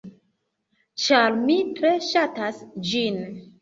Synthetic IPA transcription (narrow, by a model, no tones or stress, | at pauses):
t͡ʃaɾmitɾe̞ʃatasd͡ʒin